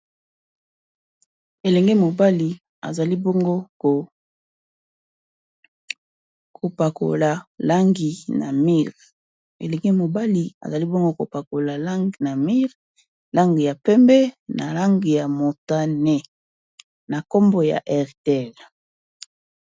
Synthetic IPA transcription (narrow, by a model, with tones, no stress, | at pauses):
e˨lɛ˨ŋɡe˦mo˨ba˦li˨ | a̰˨za˨li˦bo˦ŋɡo˦ko˨ | kʰo˨pa˨ko̰˨la˨la˦ŋɡi˨na̰˨mi˦ʁ | ḛ˨lɛ˨ŋɡe˦mo˨ba˦li˨a̰˨za˨li˦bo˦ŋɡo˦ko̰˨pa˨ko˨la˨la˦ŋ˨na˨mi˦ʁ | la˦ŋɡi˨ja˨pɛ˦mbɛ˦na̰˨la˦ŋɡi˨ja˨mo˨ta˦nɛ˦˨ | na˨ko˦mbo˨ja̰˨ʔɛ˨ʁtɛ˨l